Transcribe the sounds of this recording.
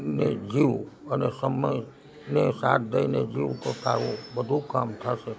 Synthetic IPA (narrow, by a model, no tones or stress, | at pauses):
ned͡ʒiʋənesəməj | nesa̰t̪̚d̪əined͡ʒiʋt̪ot̪a̰ɾũbəd̪ʱũkamt̪ʰaʃe